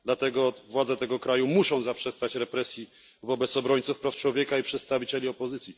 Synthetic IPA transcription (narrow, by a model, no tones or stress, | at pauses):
d̪lat̪ɛɡɔvwad̪zɛt̪ɛɡɔkɾajumuʂɔ̃w̃zapʂɛst̪at͡ɕɾɛpɾɛsʲji | vɔbɛt̪sɔbɾɔɲt̪sufpɾaft͡ʂwɔvʲjekaipʂɛt̪st̪avʲit͡ɕɛlʲiɔpɔzɘt̪sʲji